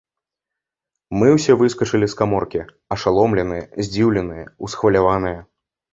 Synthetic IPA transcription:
mɨwsʲɛvɨskɐt͡ʂɨlʲiskamɔrkʲi | ɐʂalˠɔmlʲɛnɨjɐzʲd͡zʲiwlʲɛnɨjɐusxvɐlʲavanɨjɐ

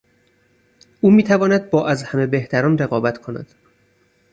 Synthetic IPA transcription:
ʔuːmiːt̪ʰævɒːnæd̪̚bɒːʔæzhæme̞be̞ht̪æɾɒːnre̞ɣɒːbæt̪ʰkʰo̞næ̰d̪̥

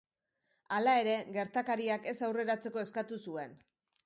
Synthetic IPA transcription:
alae̞ɾe̞ɡe̞ɾt̪akaɾiake̞sawre̞ɾat͡se̞ko̞e̞skat̪usue̞n

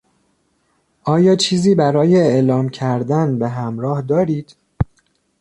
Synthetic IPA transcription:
ʔɒːjɒːt͡ʃʰiːziːbæɾɒːjeeʔlɒːmcʰæɾd̪ænbe̞ɦæmɾɒːhd̪ɒːɾiːd̪̥

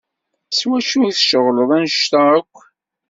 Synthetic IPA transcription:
swæʃujiθʃəʁləðˤænʃt̪æækʷː

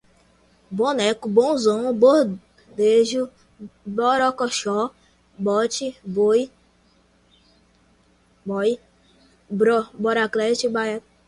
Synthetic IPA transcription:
bonɛkubõzõboh | d̪eʒu | bɔɾɔkɔʃɔ | bɔt͡ʃioj | bɔ | ɾɔbɔɾaklɛt͡ʃibaa

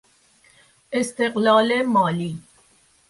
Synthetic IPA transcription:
ʔɪst̪eqlɑːlemɑːliː

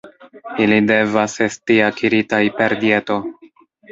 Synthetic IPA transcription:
ilide̞vase̞stiakʰiɾitajpe̞ɾdie̞to̞

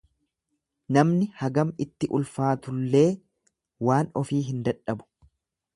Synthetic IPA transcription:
nɐmnɪhɐɡɐmɪt̪ːɪʔʊlfaːt̪ʊlːe̞ː | waːnɔfiːɦɪnd̪ɐᶑɐbʊ̥

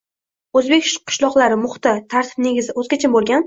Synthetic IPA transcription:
ɵzbe̞kʲʃqʰɨ̥ʃlˠɒqlˠaɾɪmʊχt̪ɪt̪ʰaɾt̪ʰɪ̥b̚ne̞ɡʲɪzɪozkʲʰat͡ʃʰɪmbolˠɡʲan

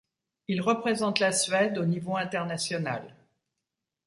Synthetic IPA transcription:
ilʁəpχezɑ̃t̪lasɥɛd̪onivoɛ̃t̪ɛʁnasjɔna̰l

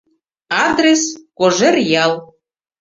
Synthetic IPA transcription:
ɑd̪reskoʒerjɑlˠ

